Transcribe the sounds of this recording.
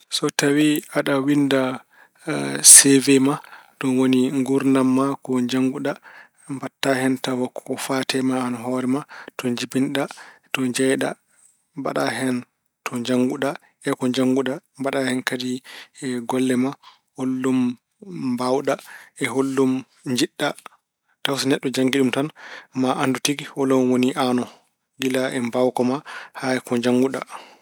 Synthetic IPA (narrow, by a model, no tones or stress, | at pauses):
sɔtawiaɗawinda | sɛvɛmaɗɔnwoniŋɡuɾnamːakɔɲd͡ʒaŋɡuɗa | mbatːahɛntawakʰɔfatɛmaːnɦɔːɾɛmatɔɲd͡ʒibinɗatɔɲd͡ʒɛjɗa̰ | mba̰ɗaɦɛn | tʰɔɲd͡ʒaŋɡuɗa | ɛkɔɲd͡ʒaŋɡuɗabaɗahɛnkadiɛɡɔlːɛma | holːum | bawɗaɛɦolːum | ɲd͡ʒiɗːa | tawsinɛɗːɔd͡ʒaŋɡiɗumtanmaʔandutiɡihɔlɔmwoniʔanɔ | ɡilaʔɛmbawkɔmahaɛkɔɲd͡ʒaŋɡuɗa̰